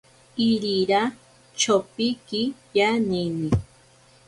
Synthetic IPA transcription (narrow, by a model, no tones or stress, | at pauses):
iɾiɾa | t͡ʃopikijaneni